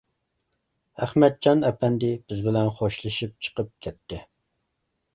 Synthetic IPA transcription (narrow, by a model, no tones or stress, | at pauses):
æχmɛt̪̚d͡ʒɑnɛpʰɛnd̪ɪb̥ɪzbɪlɛnχoʃlˠɨʃip̚t͡ʃʰə̥qəp̚kʲʰɛt̪ʰːɪ